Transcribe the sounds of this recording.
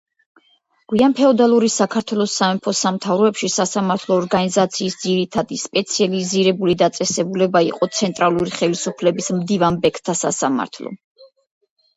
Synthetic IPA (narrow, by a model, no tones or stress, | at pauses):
ɡ̥wianpʰɛɔd̪alˠuɾisakʰaɾt̪ʰwɛlˠɔsamɛpʰɔsamt̪ʰavɾɔɛpʃisasamaɾt̪ʰlˠɔːɾɡanizat̪sʰiːsd̪ziɾit̪ʰad̪ispʼɛt̪sʰializiɾɛbulid̪at̪sʼɛsɛbulɛbaḭqʼɔt̪sʰɛnt̪ʼɾalˠuɾiχɛlisupʰlɛbismd̪ivanbɛkʰt̪ʰasasa̰ma̰ɾt̪ʰlˠɔ̰